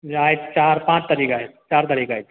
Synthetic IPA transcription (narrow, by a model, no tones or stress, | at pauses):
ɾaːɪtt͡ʃaːɾpãːt͡ʃt̪ɐɾiːkaɛt͡ʃaːɾt̪ɐɾiːkajt͡ʃ̪